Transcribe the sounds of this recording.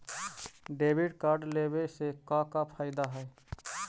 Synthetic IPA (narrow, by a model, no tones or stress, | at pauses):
ɖebʱiʈkaɾɖlebesekɔ̃kapʰaɪd̪aɦəj